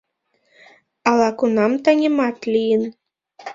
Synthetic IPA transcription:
ɑlˠɑkunɑmt̪ɑnʲĕmɑt̪lʲijɘn

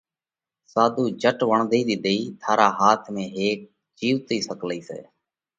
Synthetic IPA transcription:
saːd̪ʱuːd͡ʒəʈʋəɳd̪ʱiːd̪iːd̪əiːt̪ʰaːɾaːɦaːt̪ʰmẽːɦeːk̚ | d͡ʒiːʋt̪iːsəkliːsḛː

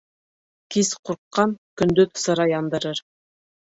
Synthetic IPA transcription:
kisquɾqːɑnkɵ̆nd̪ɵðsɤ̆ɾɑjɑnd̪ɤ̆ɾɤɾ

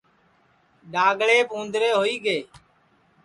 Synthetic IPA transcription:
ɗaːɡɭeːpõːnd̪ɾeːɦoːiːɡeː

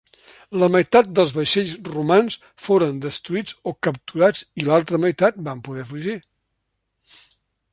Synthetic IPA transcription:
ləməjt̪at̪̚d̪əlˠzβəʃɛʎzrumans | foɾənd̪əst̪ɾuid͡zokəp̚t̪uɾad͡zilalˠt̪ɾəməjt̪at̪̚bampuðɛfuʒi

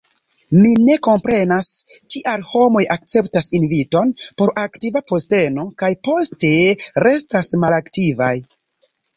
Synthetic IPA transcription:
mine̞ko̞mpɾe̞naskiʔalho̞mo̞jak̚t͡se̞ptasinvito̞npo̞ɾʔaktivapo̞ste̞no̞kajpo̞ste̞ɾe̞stasmalaktivaj

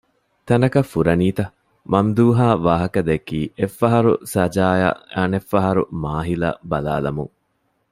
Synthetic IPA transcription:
t̪ɐnɐkɐfːuɾɐniːt̪ɐ | mɐmd̪uːɦaːʋaːɦɐkɐd̪ekiːʔefːɐɦɐɾṵsɐd͡ʒaːja̰æːnefːɐɦɐɾṵmaːɦilɐ̰bɐla̰ːlɐmṵŋ

